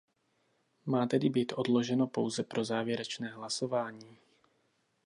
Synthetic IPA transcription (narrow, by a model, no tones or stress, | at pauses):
maːt̪ɛdɪbiːt̪ʔo̞dlo̞ʒɛno̞po̞wzɛpɾo̞zaːvjɛɾɛt͡ʃnɛːɦlaso̞vaːɲiː